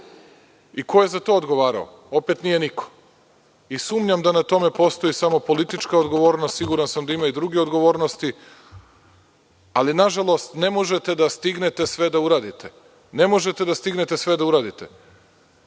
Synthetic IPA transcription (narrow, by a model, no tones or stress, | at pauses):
iko̞je̞zat̪o̞ːod̪ɡo̞ʋaːɾa̰o̰ | o̞pe̞t̪nije̞nikʰo̥ | isuːmɲamd̪anat̪o̞me̞po̞st̪o̞jisamo̞po̞lit̪it͡ʃkaod̪ɡo̞ʋo̞ːɾnost̪siɡuɾansamd̪aimaid̪ɾuɡeo̞d̪ɡo̞ʋo̞ːɾnost̪i | alinaʒalˠo̞st̪ne̞mo̞ʒet̪e̞d̪ast̪iɡne̞t̪e̞sʋe̞d̪auɾaːd̪it̪ʰe | ne̞mo̞ʒet̪e̞d̪ast̪iɡne̞t̪e̞sʋe̞d̪auɾaːd̪it̪e